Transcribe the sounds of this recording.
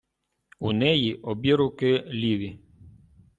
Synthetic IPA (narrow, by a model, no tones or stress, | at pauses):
unɛjiʔɔbʲiɾʊkɪlʲiʋʲi